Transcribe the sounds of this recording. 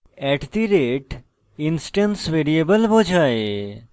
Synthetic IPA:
ɛʈt̪iɾeʈ | insʈənsʋeɾiebəlbod͡ʒʱaːe

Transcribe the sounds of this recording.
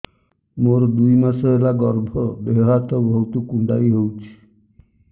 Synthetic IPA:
moɾɔd̪ujmasɔɦelaɡɔɾbʱɔbeɦat̪ɔbʱɔwt̪ukuɳɖa̰jɦewt͡ʃʰi̥

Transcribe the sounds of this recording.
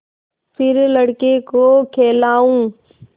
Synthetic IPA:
fʰɪɾləɽkekoːkʰeːlaːũː

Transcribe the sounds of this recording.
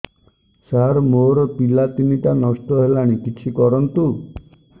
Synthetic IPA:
saɾmoɾɔpilat̪iniʈanɔsʈɔɦelaɽ̃ikit͡ʃʰikɔɾɔnt̪u

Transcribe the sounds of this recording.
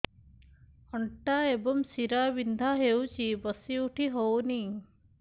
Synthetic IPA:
əɳʈaːebɐmsiɾaːʋind̪ʱaɦewt͡ʃibəsiuʈʰiɦowni

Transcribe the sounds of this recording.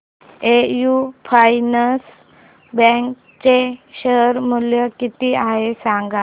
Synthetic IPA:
ejufʰajnəs | bɛ̃ŋk | t͡ɕeɕəɦɾmuljəkit̪iaɦesãŋɡa

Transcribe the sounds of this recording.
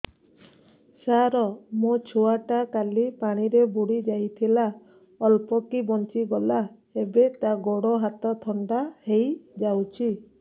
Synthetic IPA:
saɾɔmot͡ʃʰoaʈakalipaɽ̃iɾebuɽid͡ʒajt̪ʰila | ɔlpɔkibɔnt͡ʃiɡɔla | ebet̪aɡɔɽɔɦat̪ɔt̪ʰɔɳɖahejd͡ʒawt͡ʃʰi

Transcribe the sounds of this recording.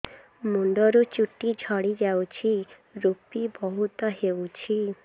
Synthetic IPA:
muɳɖɔɾut͡ʃuʈid͡ʒʱɔɽid͡ʒawt͡ʃʰi | ɾupibɔɦut̪ɔɦewt͡ʃʰi

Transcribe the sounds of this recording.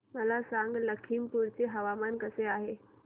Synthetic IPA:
məlasãŋɡləkʰiːmpuɾt͡ɕeɦəʋamankəseaɦe

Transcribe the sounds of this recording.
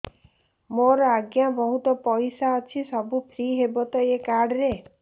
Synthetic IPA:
moɾɔaɡjabɔɦut̪ɔpɔjsaɔt͡ʃʰisɔbupʰɾiɦebɔt̪ɔekaɾɽɔɾe

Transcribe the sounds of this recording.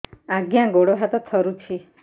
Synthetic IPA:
aɡjãɡoɽɔɦat̪ɔt̪ʰɔɾut͡ʃʰi

